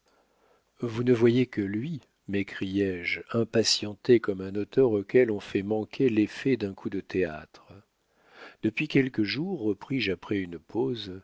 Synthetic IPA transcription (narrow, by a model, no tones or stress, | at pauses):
vunəvwajekəlɥi | mekχijɛʒɛ̃pasjɑ̃t̪ekɔmɛ̃not̪œʁokʲɛlɔ̃fɛmɑ̃kʰʲelefɛd̪ɛ̃kʰud̪ət̪ea̰t̪χə | d̪̥əpɥikʲɛlkəʒuʁːəpχiʒapχɛynpʰoz